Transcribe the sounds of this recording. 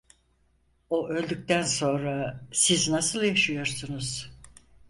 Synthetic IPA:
oʔø̞lʲd̪yc̚t̪ænso̞nɾasiznasɯlˠjaʃɯjo̞ɾsunuz̥

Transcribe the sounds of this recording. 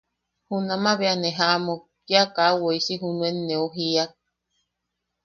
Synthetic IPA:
hunamaβeaneɦamo | kjakawoisiɦunuenːeoɦiak̚

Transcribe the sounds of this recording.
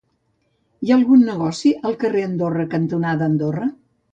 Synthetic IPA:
iaəlˠɣunːəɣ̞ɔsiʔəlˠkəreənd̪orəkənt̪unaðəːnd̪orə

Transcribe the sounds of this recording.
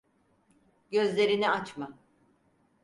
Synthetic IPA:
ɟø̞zlʲe̞ɾinɛat͡ʃma

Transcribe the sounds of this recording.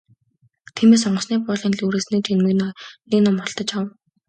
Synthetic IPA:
t̪ʰiːmeːs̬ɔɴɢə̆sniːpʊːɮinɮuːɾeːsniːt͡ɕʰenmɘ̆knneknʊmɔɮt̪ɞ̆t͡ɕaw

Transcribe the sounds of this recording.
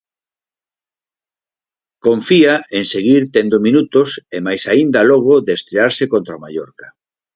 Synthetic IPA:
koɱfiaeŋseɣiɾt̪end̪omĩnut̪osemajsaind̪ɐlɔɣ̞oðest̪ɾeaɾsekont̪ɾamaʎɔɾkḁ

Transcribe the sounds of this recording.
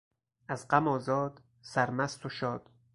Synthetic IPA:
æzɢæmɒːzɒːd̪ | sæɾmæst̪ʰoʃɒːd̪̥

